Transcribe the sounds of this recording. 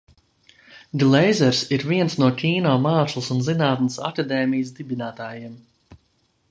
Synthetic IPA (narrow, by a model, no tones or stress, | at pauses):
ɡlˠɛjzɛɾsiɾviɛnsnuɔkʲiːnɔːmaːslˠsunzinaːt̪nəsa̰kad̪ɛːmijəs̬d̪ibinaːt̪aːjiɛm